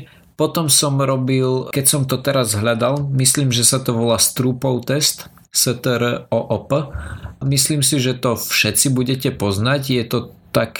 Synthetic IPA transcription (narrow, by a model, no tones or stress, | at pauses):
pɔt̪ɔmsɔmɾɔbilkɛcsɔmt̪ɔt̪ɛɾazɦʎad̪almisliːmʒɛsat̪ɔʋɔlaːst̪ɾuːpɔʊt̪ɛst̪ | sɛt̪ɛɾɔʔɔpəmisliːmsiʒɛt̪ɔfʃɛt͡sibuɟɛcɛpɔznaɟjɛt̪ɔt̪ak